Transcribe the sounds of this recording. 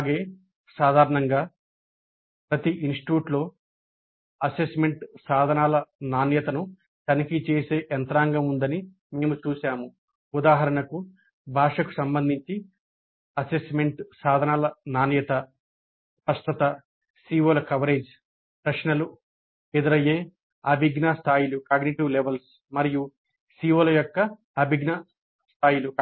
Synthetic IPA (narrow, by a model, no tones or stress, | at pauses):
aːɡe̞ː | saːd̪ʱaːɾɐɳɐŋɡaː | pɾɐt̪iʔinsʈi̥ʈjuːʈlo̞ː | ɐsesme̞ɳʈsaːd̪ʱɐnaːlɐnaːnjɐt̪ɐnu | t̪ɐnikit͡ʃeːse̞ːʔɐnt̪ɾaːŋɡɐmund̪ɐni | meːmut͡ʃuːʃaːmu | ud̪aːɦɐɾɐɳɐku | bʱaːʂɐku̥sɐmbɐnd̪ʱiɲt͡ʃi | ɐsesme̞ɳʈsaːd̪ʱɐnaːlɐnaːnjɐt̪ɐ | pɐst̪ɐt̪ɐ | siːʋoːlɐkɐʋɐɾeːd͡ʒ | pɾɐʂnɐlu | ed̪iɾɐje̞ː | ɐbʱiɡnɐst̪ʰaːjilukaːɡniʈiʋleʋɐls | mɐɾiju | siːʋɐːlɐjɔkːɐ | ɐbʱiɡnɐ | st̪ʰaːjilu